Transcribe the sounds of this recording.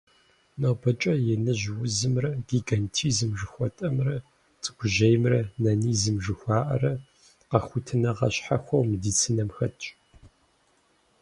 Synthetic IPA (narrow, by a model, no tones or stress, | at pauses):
nobɐt͡ʃʼɐjɛnɨʒwʊzɨmrɐɡ̥iɡantʰiːzɨmʒɨxʷɔtʼɐmrɐ | t͡sʼɨ̥ɡʷʊʒɐjmrɐnɐniːzɨmʒɨxʷɑːʔɐrɐ | qɐxʷʊtʰɨnɐʁɐ̰ɕħaxʷɐwmɨdiːt͡sʰɨnɐmxɐtʰʼt͡ʃʼ